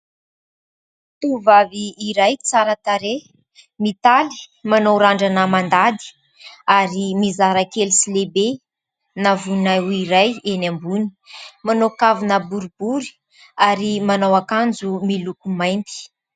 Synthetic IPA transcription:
t̪uvaviːɾajt͡saɾət̪aɾe | mit̪ali̥manowɾaɳɖ͡ʐanəmand̪ad̪i̥ | aɾimizaɾakelisilebe | navunawiɾajenambuni̥ | manokavinəbuɾubuɾi̥ | aɾimanawakand͡zumilukumajnt̪i̥

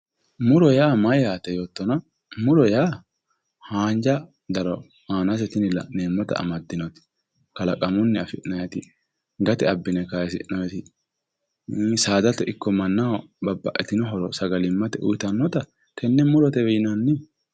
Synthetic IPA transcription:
mʊɾɔjaːmɐjjaːt̪ɛjoːt̪ːɔnɐ | mʊɾɔjaː | haːnd͡ʒɐ | d̪ɐɾɔ | haːnɐs̬ɛt̪ɪnɪlɐ̰neːmːɔt̪ɐ̰ɐ̰mɐd̪ːɪnɔt̪ɪ̥ | kɐlɐkʼɐmʊnːɪɐfɪʔnɐjɐt̪ɪ | ɡɐt̪ɛɐbːɪnɛkajɛs̬ɪ̰ʔnɔjɛt̪ɪ | saːd̪ɐt̪ɛʔɪkːɔmɐnːɐwbɐbːɐ̰ʔɛt̪ɪnɔɦɔɾɔsɐɡɐlɪmːɐt̪ɛʔʊjt̪ɐnːɔt̪ɐ | kɛnːɛmʊɾɔt̪ɛwɛjɪnɐnːɪ

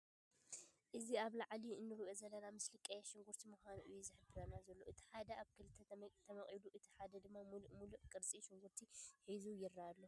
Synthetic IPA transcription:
ʔɨziaβlaʕliɨnːɨɾɨβezɐlɐlamɨslɨkʼɐjaʃɪŋɡuɾt̪ʰimuxʷanuʔɨjuzɨħɨbɨɾɐnːazɐlːoʔɨt̪ʰi̥ħad̪ɐaβkʰɨlɨt̪ʰːɐt̪ʰɐmɐχʼiluʔɨt̪ʰi̥ħad̪ɐd̪ɨmːammuluʔkʼɨɾt͡sʼiʃɪŋɡuɾt̪ʰiħizujɪrːaːlːo

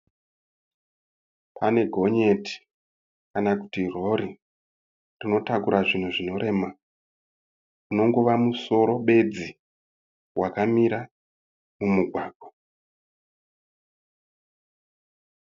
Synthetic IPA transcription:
pʰane̞ɡʱo̞ɲe̞ti̥ | kanakutiro̞ɾi | rino̞takuɾaʐin̤uʐino̞ɾe̞ma | uno̞ŋɡo̞ʋamuso̞ɾo̞ɓe̞d͡zi | wakamiɾa | mumuɡʱwaːɡ̥ʱo

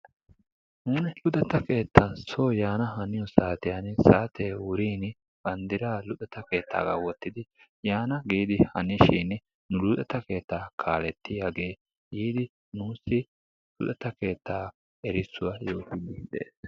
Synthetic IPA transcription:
nuːnɛlʊd̪ɛt̪ːɐke̞ːt̪ːɐnsoːjaːnɐɦɐnɪjɔsaːt̪ɪjansaːt̪ʰeːwʊɾiːn | b̥ɐnd̪ɪɾaːlʊt̪ʼɛt̪ɐke̞ːt̪ʰːa̰ːɡa̰wɔt̪ːɪd̪ɪ | jaːnɐɡiːd̪ɪhɐnɪʃiːnɪ | nʊlʊt̪ʼɛt̪ɐke̞ːt̪ːaːkʰaːlɛt̪ːɪjaːɡe̞ː | jiːd̪ɪ | nuːsːɪ | lʊ̰d̪ɛt̪ːɐke̞ːt̪ʰːaː | ɛɾɪsːʊwajo̞ːkɪnid̪ḛeːs

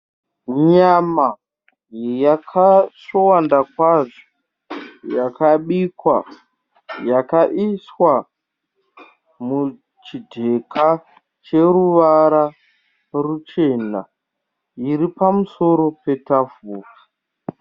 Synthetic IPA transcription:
ɲama | jakʰaʂowandakwaʐo̥ | jakaɓikwa̰ | jakaʔiswa | mu | t͡ʃidʱe̞kʰa | t͡ʃe̞ɾuʋaɾa | rut͡ʃe̞na̰ | iɾipamuso̞ɾo̞pe̞tafoːfu

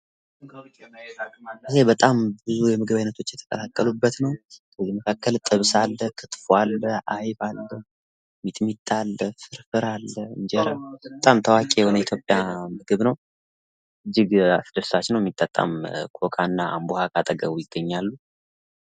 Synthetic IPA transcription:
ʔɨɦe̞bət̪ʼambɨzujɛmɨɡɨβajnət̪ʰo̞t͡ʃːjɛt̪ʰə̥kʼəlakʼːəlubːət̪nəwkʰəzːiməkʰakːəlt̪ʼɨβsalːəkʰɨt̪fualːəʔajbalːə | mit̪ʼmit̪ʼːalːəfɨɾfɨɾalːəɨnd͡ʒɛɾəbət̪ʼamt̪ʰəwakʼejɛho̞nəit̪ʰjo̞pʼːjamɨɡɨβnəw | ʔɨd͡ʒːɪɡa̰sɨd̪əsat͡ʃːɪnəwjɛmːit̪ʼət̪ʼːa̰mkʰokʼanːaa̰mbohakʰʼat̪ʼəɡəβujɪɡ̥ːəɲːalːu

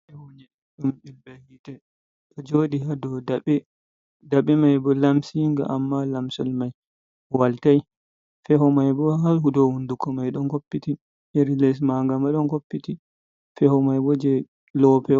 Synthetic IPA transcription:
ʔɛwoɲɛ | ɗumbilbɛhitɛ | ɗɔd͡ʒoɗihadɔdaɓɛ | daɓɛmajbɔlamsiŋɡa̰ʔamːalamsɔlmaj | waltaj | fɛhɔmajbɔɦalhudɔhundukɔmajɗɔnkopːiti | eɾilɛs̬maŋɡamaɗɔnkopːiti | fɛhɔmajbɔd͡ʒɛ | lɔpɛ

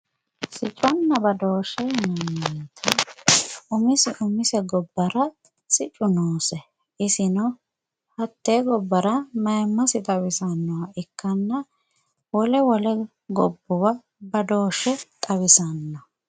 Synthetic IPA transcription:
sɪt͡ʃʼɔnːɐbɐd̪o̞ːʃɛmɐnːeːt̪ʰɐ | ʊmɪsɪʔʊmɪsɛɡɔbːɐɾɐ | sɪt͡ʃʼːʊnoːsɛ | ʔɪsɪnɔ | hɐt̪ːeːɡɔbːɐɾɐmɐjmːɐsɪt̪ʼɐwɪsɐnːɔwɐʔɪkːɐnːɐ | wɔlɛwɔlɛ | ɡɔbːʊwɐ | bɐd̪o̞ːʃːɛt̪ʼɐβɪsɐnːɐ

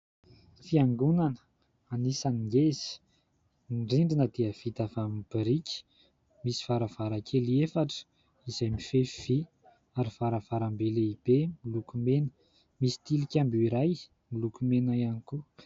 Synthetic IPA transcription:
fiaŋɡunanə̥ | anisaniŋɡez̥i̥ | ɳɖ͡ʐiɳɖ͡ʐinəd̪eəv̥it̪afamib̥iɾikʲi̥ | misi̥vaɾav̥aɾakʰeliefaʈ͡ʂə̥ | izajmifev̥i | aɾivaɾəvaɾambeleib̥emilukumenə̥ | misi̥t̪ilikʲambuiɾaj | milukumenajaniku

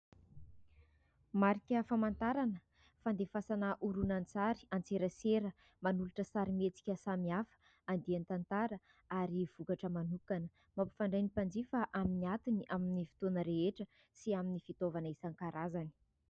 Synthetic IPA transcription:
maɾikʲəfamant̪aɾanə | fand̪efasanəʔuɾunant͡saɾi̥ant͡seɾəseɾə | manuluʈ͡ʂəsaɾimet͡si̥kʲəsamiafə̥ | and̪iant̪ant̪aɾə | aɾiv̥ukaʈ͡ʂəmanukanə | mapu̥faɳɖ͡ʐajnipand͡ʒifaʔaminiat̪iniʔaminifi̥t̪onəɾeeʈ͡ʂə | siaminifit̪ovanəisaŋkaɾazani̥

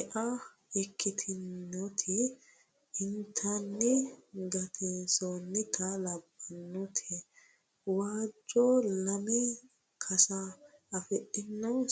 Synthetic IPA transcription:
ɛʔɐ | ɛkʰːɪt̪ʰɪnːɔt̪ʰɪ | ɪnt̪ʰɐnːɪɡɐt̪ʰɪnsonːɪt̪ʰɐlɐbːɐnːʊt̪ʰɛ | waːd͡ʒɔlɐmɛ | kʰɐsɐɐfɛʔɪnːɐw

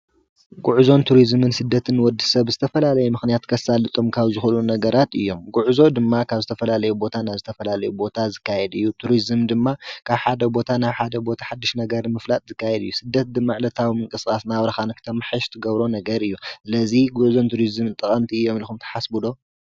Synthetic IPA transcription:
ɡʼuʕzo̞nt̪ʰuɾizmɨnsɨd̪ːɐt̪ʰɨnwɔd̪ːisɐβzɨt̪ʰɐfɐlalɐjumɨxnijat̪kʰɐsalɨt̪ʼomkʰaβzɨxulunɐɡɐɾat̪ɨ̰jːo̞mɡʼuʕzo̞d̪ɨmːakʰaβzɨt̪ʰɐfɐlalɐjubo̞t̪ʰanaβzɨt̪ʰɐfɐlalɐjubo̞t̪ʰazɨkːajɛd̪ɨjːut̪ʰuɾizɨmd̪ɨmːakʰaβħad̪ɐbo̞t̪ʰanaβħad̪ɐbo̞t̪ʰḁħad̪ːiʃnɐɡɐɾmɨflat̪ʼzɨkːajɛd̪ɨjːusɨd̪ːɐt̪̚d̪ɨmːaʕlɐt̪ʰawimɨŋkʼɨskʼasnaβɾɐxanɨkʰɨ̥t̪ʰɐmħɨʃt̪ʰɨɡɐβɾo̞nɐɡɐɾɨjːusɨlɐziɡʊʕzo̞nt̪ʰuɾizɨmɨnt̪ʼɐχʼɐmt̪ʰiɨjːo̞mlxumt̪ʰɐ̥ħasbud̪o̞

